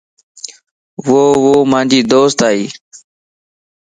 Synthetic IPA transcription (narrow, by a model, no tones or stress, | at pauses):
ʋoːʋoːmãːnd͡ʒiːd̪oːst̪aːiː